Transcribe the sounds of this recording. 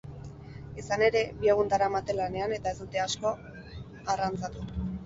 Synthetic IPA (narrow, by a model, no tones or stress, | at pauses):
esane̞ɾe̞bieɣ̞und̪aɾamat̪elane̞ane̞t̪ae̞zd̪ut̪e̞asko̞ | arant͡sat̪u